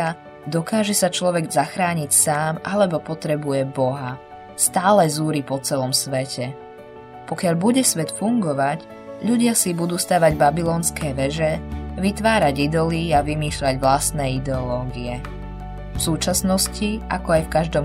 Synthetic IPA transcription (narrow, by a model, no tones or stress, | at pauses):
a | d̪ɔkaːʒɛsat͡ʃlɔʋɛɡzaxɾaːɲicsaːmʔalɛbɔpɔt̪ɾɛbujɛbɔɦa | st̪aːlɛzuːɾipɔt͡sɛlɔmsʋɛcɛ | pɔkɪaʎbuɟɛsʋɛt̪fuŋɡɔʋac | ʎuɟɪasibud̪uːst̪aːʋaɟbabilɔːnskɛːʋɛʒɛʋit̪ʋaːɾaɟid̪ɔliaʋimiːʃʎaɟʋlast̪nɛːid̪ɛɔlɔːɡiɛ | fsuːt͡ʃasnɔsciʔakɔajfkaʒd̪ɔm